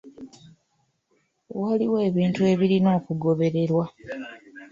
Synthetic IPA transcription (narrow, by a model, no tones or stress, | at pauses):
waliwe̞ːβiːntue̞ːβiɾino̞ːkuɡo̞βe̞ɾe̞ɾwa